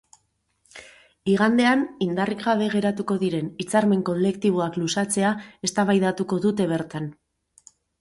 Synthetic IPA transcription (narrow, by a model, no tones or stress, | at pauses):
iɣ̞and̪e̞anind̪ariɣɣaβ̞e̞ɣ̞e̞ɾat̪uko̞ðiɾe̞nit͡saɾme̞ŋko̞le̞kt̪iβ̞oaklusat͡se̞ae̞st̪aβajðat̪uko̞ðut̪e̞β̞e̞ɾt̪an